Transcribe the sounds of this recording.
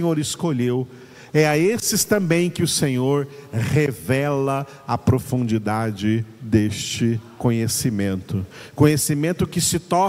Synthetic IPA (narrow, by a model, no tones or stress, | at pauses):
ɲoɾɪskoʎew | ɛɐesɪst̪ɐ̃mbẽj̃kɪʊsẽɲoɾhevɛlɐ | ɐpɾofũnd͡ʒid̪ad͡ʒɪd̪est͡ʃɪkõɲesimẽnt̪ʊkõɲesimẽnt̪ʊkɪsɪt̪ɔ